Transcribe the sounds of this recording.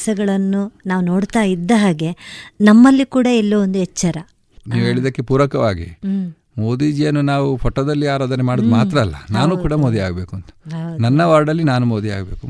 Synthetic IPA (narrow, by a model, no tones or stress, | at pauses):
sɐɡɐɭɐnːunaːʋuno̞ːɽt̪aːjid̪ːɐɦaːɡe̞nɐmːɐlːikuːɽɐɛlːɐʋond̪uɛt͡ʃːɐɾɐ | niːʋɦe̞ːɭid̪ɐkːe̞puːɾɐkɐʋaːɡḭ | moːd̪iːd͡ʒijɐnːunaːʋupʰɔʈːɐd̪ɐlːiaːɾoːd̪ɐnemaːɽud̪umaːt̪ɾɐːlːɐnaːnuːkuːɽɐmoːd̪iaːɡɐbe̞ːkuɐnt̪ɐ̥nɐnːɐʋaːɾɖɐlːinaːnumoːd̪ia̰ːɡɐbe̞ːku